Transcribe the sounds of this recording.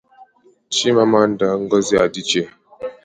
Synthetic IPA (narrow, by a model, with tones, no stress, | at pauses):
t͡ʃi˦ma˦ma˦n˦da˦ŋ̩˦ɡə˦zi˦a˨di˦t͡ʃe˦˨